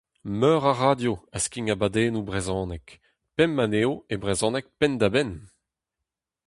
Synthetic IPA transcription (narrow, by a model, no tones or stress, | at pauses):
mœːʁaʁadjoaskiŋabad̪eːnubʁezɔ̃ːnɛk | pɛmːaneːoebʁezɔ̃ːnɛk̚pɛnd̪abɛn